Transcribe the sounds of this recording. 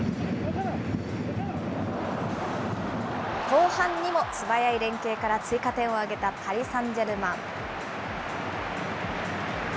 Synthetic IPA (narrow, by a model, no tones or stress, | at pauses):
ko̞ːhãɲ̟ːimo̞t͡sɨbajaiɾẽ̞ŋke̞ːkaɾat͡sɨikat̪ẽ̞ɰ̃o̞aɡe̞t̪apʰaɾʲisãɲd͡ʑe̞ɾɯ̟mãŋ